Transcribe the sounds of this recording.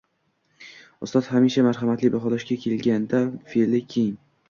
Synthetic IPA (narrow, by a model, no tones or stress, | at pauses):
ʊst̪ɒt̪hamiʃamaɾɦamat̪lɪbaɦɒlɒʃkʲakʲʰe̞lɡʲand̪afelɪkʲʰeŋ